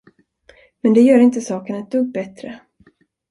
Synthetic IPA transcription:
mɛnd̪ɛjœːɾɪnt̪əsɑːkənɛt̪̚d̪ɵɡ̚bɛt̪ɾə

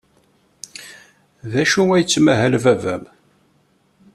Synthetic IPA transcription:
ðæʃuæjət͡sːmæɦælvævæm

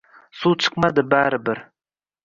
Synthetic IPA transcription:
sut͡ʃʰɨ̥qmad̪ɪbaɾɪbɪɾ

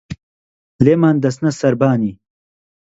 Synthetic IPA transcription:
leːmaːnd̪ɐsnɐsɐɾbaːni

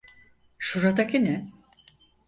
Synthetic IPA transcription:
ʃuɾad̪akʰinɛ

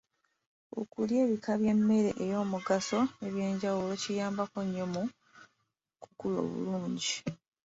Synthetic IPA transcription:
o̞̰kulje̞ːβikʰaβje̞mːe̞ɾe̞ʔejo̞ːmuɡaso̞eβje̞ːɲɟawulo̞cijaːmbako̞ɲːomu | kukulo̞̰ːβṵluːɲɟi

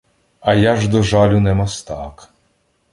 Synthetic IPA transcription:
ɐjaʒd̪ɔʒɑlʲʊnɛmɔst̪ɑk

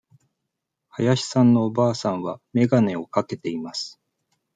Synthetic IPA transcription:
hajaɕi̥sãnːo̞ːbaːsãɰ̃βame̞ɡane̞o̞kake̞t̪e̞imasɨ̥

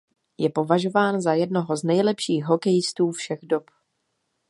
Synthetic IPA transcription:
jɛpo̞vaʒo̞vaːnzajɛdno̞ɦo̞znɛjlɛpʃiːxɦo̞kɛjɪst̪uːfʃɛɣdop

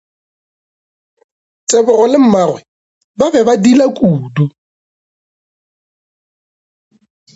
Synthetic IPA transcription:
t͡sʼebʊrɔlɪm̩marwɛ | babɛbadilakʼuːdu

